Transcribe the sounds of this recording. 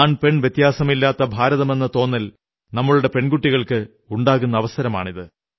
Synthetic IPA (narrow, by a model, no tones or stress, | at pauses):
aːnpe̞ɳʋjet̪ːjaːsɐmilːaːt̪ːɐbʱaːɾɐðɐme̞nːɐt̪o̞ːnːɐl | nɐmːɐɭuɽe̞pe̞ɳɡuʈːiɣɐɭkɨ | uɳɖaːɣunːɐːʋɐsɐɾɐma̰ːɳiðɨ